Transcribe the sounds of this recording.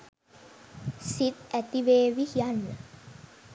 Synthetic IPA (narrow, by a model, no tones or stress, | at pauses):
sit̪æt̪iʋeːʋihijanːə